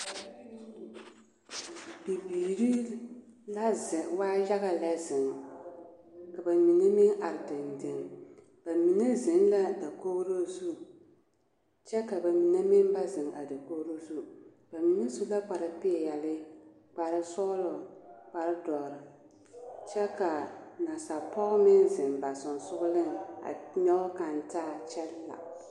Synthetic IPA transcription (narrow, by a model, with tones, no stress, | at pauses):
bi˨biː˨ɾi˦ | la˦zɪ˨waː˦ja˦ɣa˨lɛ˦zɪ˨ŋ | ka˨ba˨mi˨ne˦mɪ˦ŋʔa˨ɾɪ˨dɪ˨ndɪ˨ŋ | b̥a˨mi˨ne˦zɪ˨nla˦da˨ko˦ɾo˦zu˦ | t͡ʃɛ˦ka˨ba˨mi˨ne˦mɪ˦m˦ba˦zɪ˨ŋa˨da˨koː˦ɾo˦zu˦ | ba˨mi˨na˦zu˦la˦k͡pa˨ɾa˨pɪ˦ɛ˨jɛ˨lɪ˦ | k͡pa˨ɾɨ˦sɔ˦lɔ˨k͡pa˨ɾɨ˦dɔ˨ɾɪ˨ | t͡ʃɛ˦ka˨na˨sa˨pɔ˦ɣmɪ˦nzɪ˨mba˨sʊ˨nsʊ˦ɣʊ˦lɪ˦ŋa̰˨ɲɛ˦ɔ˦ka˨n˦taː˦t͡ʃɛ˦lːa̰˨